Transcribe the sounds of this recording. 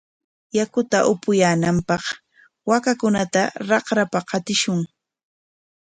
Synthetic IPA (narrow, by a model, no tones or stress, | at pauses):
jakʊt̪aʔʊpʊjaːnampɑχ | wakakʊnat̪aɾɑqɾapaqɑt̪ɪʃʊŋ